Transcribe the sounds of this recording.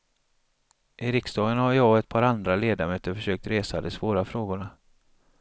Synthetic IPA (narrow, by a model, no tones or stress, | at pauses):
ʔɪɾɪkst̪ɑːɡənhaɾjɑːɛt̪̚pʰɑːɾand̪ɾaleːd̪amøːt̪əɾfœʂøːk̚t̪ɾeːsad̪ɛsvoːɾafɾoːɡʊɳa